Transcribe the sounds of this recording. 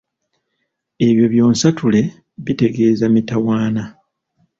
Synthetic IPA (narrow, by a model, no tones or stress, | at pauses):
e̞βjo̞βjo̞ːnsatule̞ | βite̞ɡe̞ːzamitawaːna